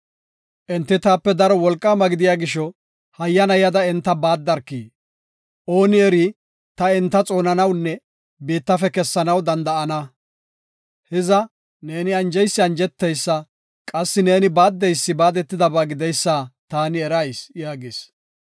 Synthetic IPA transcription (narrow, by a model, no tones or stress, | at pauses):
ʔɛnt̪ːɪt̪aːpːɛd̪ɐɾɔwɔlkʼːaːmɐɡɪd̪ɪjaːɡɪʃɔ | hɐjːɐnɐjɐd̪ɐɪnt̪ːɐbaːd̪ːɐɾkːḭː | ʔo̞ːnɪɛɾi | t̪ɐɪnt̪ːɐt͡sʼo̞ːnɐnɐwnːɛ | biːt̪ːɐfɛkɛsːɐnɐwd̪ɐnd̪ɐɐnɐ | hɛzɐ | ne̞ːnɪɐnd͡ʒɛjsːɪɐnd͡ʒɛt̪ːɛjsːɐ | kʼɐsːɪne̞ːnɪbaːd̪ːɛjsːɪbaːd̪ɛt̪ːɪd̪ɐbaːɡɪd̪ɛjsːaːt̪aːnɪɛɾɐjsjaːɡes